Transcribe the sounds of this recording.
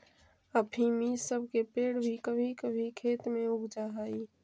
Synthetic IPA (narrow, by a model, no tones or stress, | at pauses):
əbʰʱimisəb̚ʱkepeːɽbʱikəbʱikəbʱikʰeːt̪mẽʊɡd͡ʒaɦaːiː